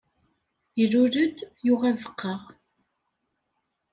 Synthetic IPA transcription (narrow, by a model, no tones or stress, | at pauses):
iɾʊɾəd̪jʊʁævəqʰːɑʁ